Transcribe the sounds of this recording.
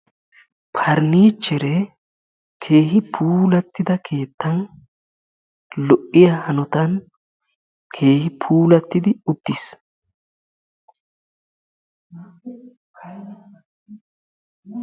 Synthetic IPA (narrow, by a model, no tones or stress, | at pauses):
pʰɐɾniːt͡ʃːɛɾɛ | kʰe̞ːhɪpʰuːlɐt̪ːɪd̪ɐkʰe̞ːt̪ːɐn | lɔʔːɪjɐhɐnɔt̪ɐn | kʰe̞ːhɪpʰuːlɐt̪ːɪd̪ɪʊt̪ːɪs